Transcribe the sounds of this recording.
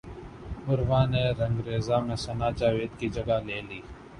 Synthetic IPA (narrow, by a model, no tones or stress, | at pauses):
bʊɾʋaːneːɾɐŋɡɾeːzaːmẽːsɐnaːt͡ʃaːʋeːd̪kiːd͡ʒəɡaːleːliː